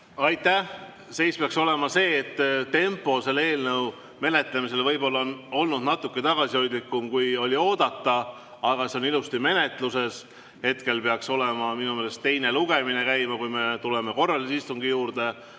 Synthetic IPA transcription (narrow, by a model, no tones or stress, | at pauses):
ɑjt̪ːˑæh | se̞jspeɑkso̞le̞mɑse̞ːt̪ːt̪ːe̞mpːˑo̞se̞lːee̞ːlnɤw | me̞ne̞t̪ˑlemis̬e̞lvɤjbo̞lːɑono̞lnud̪nɑt̪ːˑukːˑe̞t̪ɑɡ̥ɑsiho̞jd̪likːˑumkujo̞lʲio̞ːd̪̥ɑt̪ːɑ | ɑɡ̥ɑseo̞nilust̪ime̞ne̞t̪ˑluse̞s | he̞t̪ke̞lpe̞ɑkso̞le̞mɑminumeːle̞st̪ːe̞jne̞luɡ̥e̞mine̞kæjmɑkujme̞t̪ule̞me̞ko̞rːɑlisist̪uŋɡ̥ijuːɾd̪̥e̞